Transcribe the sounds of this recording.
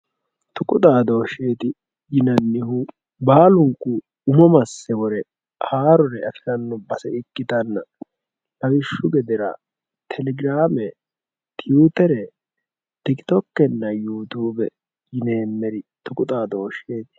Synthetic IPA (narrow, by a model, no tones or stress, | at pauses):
t̪ʊkʼʊt̪ʼaːd̪oːʃeːt̪ɪ | jɪnɐnːɪhʊ | baːlʊŋkːʊ | ʊmɔmɐsːɛwɔɾɛ | haːɾɔɾɛɐkɪɾɐnːɔbɐsɛɪkːɪt̪ɐnːɐ | lɐɡɪʃːʊɡɛd̪ɪɾɐ̰ | t̪ʰɛlɛɡɪɾaːmɛ | t̪ɪjuːt̪ɛɾɛ | t̪ɪkt̪ɔkːɛnːɐjuːt̪uːbɛ | jɪneːmːɛɾɪt̪ʊkʼʊt̪ʼaːd̪oːʃeːt̪ɪ̥